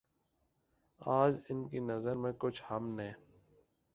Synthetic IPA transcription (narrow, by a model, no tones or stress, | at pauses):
aːd͡ʒɪnkinɐzəɾmẽkʊt͡ʃʰhɐmnẽː